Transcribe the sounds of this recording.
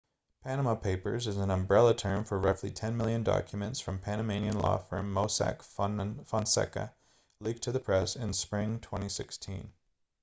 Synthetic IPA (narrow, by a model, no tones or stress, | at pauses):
pʰænəməpʰeɪpə̰˞zɨz̃n̩ə̃mbɹɛlˠətʰɜ̃˞ɱfə˞ɹʌflitʰɛ̃nmɪlˠjɨ̃ndɑ̰kʰjɨmɨ̃ntsfɹʌ̃mpʰæñɨmẽɪ̃niɨ̃nlɔ̰fə̰̃˞mːoʊsæ̰kfɑ̃nsɛ̰kɨ̰ | lik̚tʰɨðɨpʰɹ̥ɛsɪ̃nspɹɪ̃ŋtʰw̥ɛ̃ɾ̃isɪkstʰḭ̃n